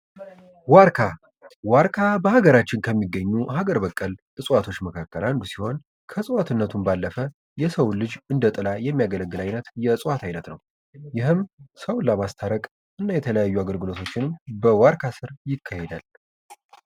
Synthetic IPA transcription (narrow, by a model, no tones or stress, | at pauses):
waɾkʰa | waɾkʰabəhaɡəɾat͡ʃːɪnkʰəmːiɡːəɲːuɦaɡəɾbəkʼːəl | ɨsʼwat̪ʰo̞t͡ʃːməkʰakːəland̪usiho̞n | kʰəsʼɨwat̪ʰɨnːət̪ʰumbalːəfə | jɛsəwlɨd͡ʒɨnd̪ət̪ʼɨlajɛmːijaɡələɡːɨlajnət̪jɛsʼwat̪ʰajnət̪nəw | jɪɦɨmsəwlːamast̪ʰaɾəkʼ | ʔɨnːajɛt̪ʰələjajːuaɡəlɡɨlo̞t̪ʰo̞t͡ʃːɪnɨmbəwaɾkʰasɨɾjɪkʰːahed̪al